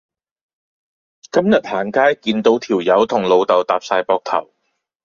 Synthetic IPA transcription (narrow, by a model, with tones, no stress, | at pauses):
kɐ˥mjɐ˨t̚haː˨˩nkaː˥jkiː˧nt̪o˨˥wt̪ʰiː˨˩wjɐ˨˥wt̪ʰʊ˨˩ŋlo˨˧wt̪ɐ˨wt̪aː˨p̚saː˧jpɔː˧k̚t̪ʰɐ̰˨˩w